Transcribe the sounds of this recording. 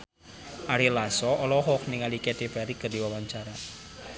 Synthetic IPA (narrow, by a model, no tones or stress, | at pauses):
ʔaɾilasɔʔɔlɔɦɔk̚niŋalikedebaɾikərdiwawaɲt͡ʃaɾa